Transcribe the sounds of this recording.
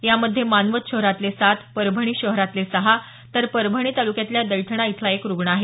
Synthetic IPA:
jaməd̪ʱːjemanʋət̪ɕəɦɾat̪lesat̪ʰpəɾbʱəɳ̃iːɕəɦɾat̪lesəɦa | t̪əɾpəɾbʱəɽ̃iːt̪alukjat̪ljad̪əjʈ̪ʰɽ̃ait̪ʰlaekɾuɡɳəaɦe

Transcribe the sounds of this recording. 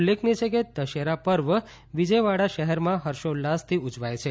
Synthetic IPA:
lːekʰnet͡ʃʰeked̪əʃeɾapəɾʋə | ʋid͡ʒəjʋaɽaʃəɦɛɾmãɦəɾʃolast̪ʰiʊd͡ʒʋajt͡ʃʰe

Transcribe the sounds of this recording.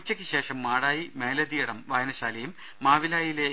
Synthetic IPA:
t͡ɕːɐkʲːɨɕe̞ːʂɐmːaːɽaːjime̞ːlɐðijɐɽɐmʋaːjɐnɐɕaːlɐjumː | aːʋilaːjile

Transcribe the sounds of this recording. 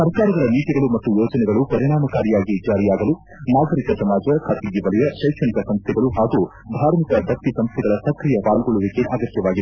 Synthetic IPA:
sɐɾkaːɾɐɡɐɾɐniːʈ̪iɡɐɭumɐt̪ːujoːd͡ʒɐnɛɡɐɭupɐɾiɽaːmɐkaːɾijaːɡid͡ʒaːɾijaːɡɐlu | naːɡɐɾikɐsɐmaːd͡ʒɐkʰaːt̪iɡiʋɐlɛjɐʃɐjkʂɐnikɐsɐmst̪ʰɛɡɐɭuɦaːɡu | bʱaːɾmikɐd̪ʱɐkt̪ːisɐmst̪ʰɛɡɐɭɐsɐkɾijɐpaːlɡoɭuʋikeʔaːɡɐt̪jɐʋaːɡid̪

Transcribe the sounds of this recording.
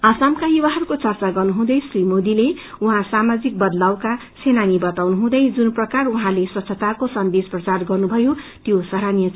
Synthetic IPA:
asamkajuwaɦʌɾukot͡sʌrt͡saɡʌrnuɦũd̪ʌjsrimod̪ileuɦãsamad͡zik̚bʌd̪lawkasʰenanibʌt̪awnuɦũd̪ʌjd͡zunprʌkaruɦãlesʌtsʰʌt̪arkosʌnd̪esprʌt͡sarɡʌrnubʱʌjot̪josʌɾanijʌ

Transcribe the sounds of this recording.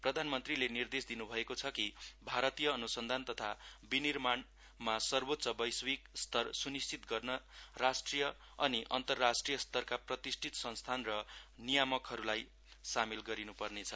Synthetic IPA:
prʌd̪ʱanmʌnt̪rilenird̪esd̪inubʱʌekot͡sʰʌkibʱaɾʌt̪ijʌːnusʌnd̪ʱant̪ʌt̪ʰabinirman | masʌrbot̪ːsʌbʌjswikst̪ʌrsunist͡sit̪ɡʌrnʌrasʈrijʌ | ʌniʔʌnt̪ʌrːasʈrijʌst̪ʌrkaprʌt̪isʈʰit̪sʌ̃nst̪ʰanrʌnijamʌkɦʌɾulaj | samelɡʌɾinupʌrnet͡sʰʌ

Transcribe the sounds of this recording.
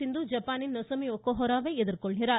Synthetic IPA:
ind̪uːd͡ʒɐpaːninːɔsɐmiokːoɦɔɾaːʋeɛd̪iɾkɔɭɦiɾaː

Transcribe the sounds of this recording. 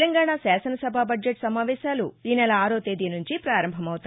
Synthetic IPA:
lɐŋɡaːɳaːsɛːsɐnɐsɐbʱaːbɐd͡ʒeʈsɐmaːʋɛːʃaːluiːnɛlɐaːɾoːt̪eːd̪inuɲt͡ʃipɾaːɾɐmbʱɐmɐwut̪a

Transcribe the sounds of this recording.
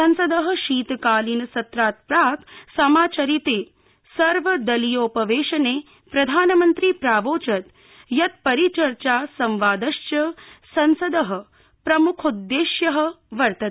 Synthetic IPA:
ɐnsɐd̪ɐɦɐ̆ʃiːt̪kaːlinsɐt̪ɾaːt̪̚pɾaːksɐmaːt͡ʃɐɾit̪eː | sɐɾʋɐd̪ɐlijoːpɐʋeːʃɐneː | pɾɐd̪ʱaːnɐmɐnt̪ɾipɾaːʋoːt͡ʃɐt̪ | jɐt̪̚pɐɾit͡ʃɐɾt͡ʃaːsɐmʋaːd̪ɐʃjɐsɐnsɐd̪ɐɦɐ̆ | pɾɐmukʰud̪ːeːʃjɐɦɐ̆ | ʋɐɾt̪ɐt̪

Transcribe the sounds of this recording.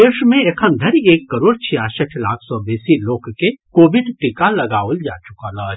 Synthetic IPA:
eːʃmẽekʰəmd̪ʱɐɾieːkːəɾoːɽt͡ʃʰijaːsəʈʰlaːkʰsɔːbeːsiloːkkekoːʋɪɖʈɪkalɐɡaːold͡ʒa̰ːt͡ʃʊkalaː

